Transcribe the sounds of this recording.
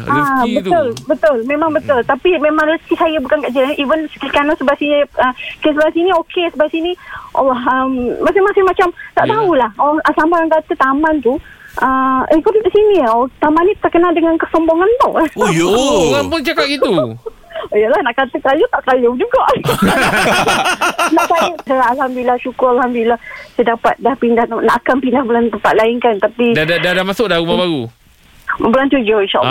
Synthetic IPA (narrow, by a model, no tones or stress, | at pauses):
abət̪ʊlbət̪ʊlmemaŋbət̪ʊlt̪apimemaŋnəsk̪isajabukankaʔd͡ʒilanʔivənsə̥kikanasəbasiɲiəkesəbasiniokʰesəbasiniʔa̰lːaɦəmːasɪhmasɪhmat͡ʃamt̪a̰ʔt̪aulahaaasambajaŋkat̪ət̪amant̪uʔəikuɾidisiniot̪amanːit̪ərkənaldəŋankəsɔmboŋant̪ʊ̰jŋapʊŋt͡ʃakapit̪u | əjəlahnaʔkat̪əkajʊt̪aʔkajʊd͡ʒuɡaʔ | naʔkajʊsaaalhamd̪ulilːahʃukʊralhamd̪ulilahsadapat̪̚dahpindaht̪naʔakanpindahbəlant̪əmpat̪̚laɪŋkant̪apidadadadamasʊk̚daɾumabaɾu | bəlant̪ud͡ʒoiʃɔ̰